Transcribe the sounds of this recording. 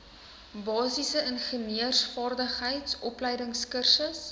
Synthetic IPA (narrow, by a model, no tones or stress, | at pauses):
bɑːsisəənχəniərsfɑːrdəχɦəjtsʔɔplɛjdəŋskərsəs